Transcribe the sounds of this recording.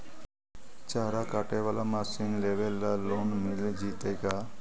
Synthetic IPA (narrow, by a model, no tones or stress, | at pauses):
t͡ʃaɦɾakaʈeʋalamasinlebelːaːonmild͡ʒit̪ejka